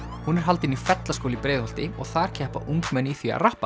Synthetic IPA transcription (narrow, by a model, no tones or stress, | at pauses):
hunɛɾ̥ɦalt̪ɪnifɛt̪laskowlɪipɾeːjðɔlt̪ɪɔɣθaðɾ̥cʰɛːhpa̰ʔuŋkmɛnːiθia̰rahpa̰